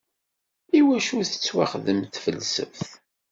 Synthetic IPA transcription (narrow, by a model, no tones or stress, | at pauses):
iwæʃuθə̥t͡sːwa̰χðəmθfəlːsə̰fθ